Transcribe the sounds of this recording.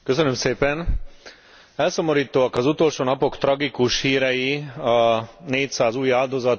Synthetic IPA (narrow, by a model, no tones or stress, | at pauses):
køsønømseːpɛn | ɛlsomoɾiːt̪oːɒkɒzut̪o̞lʃoːnɒpo̞kt̪rɒɡikuʃhiːɾɛjiɒneːcsaːzuːjaːld̪o̞zɒt̪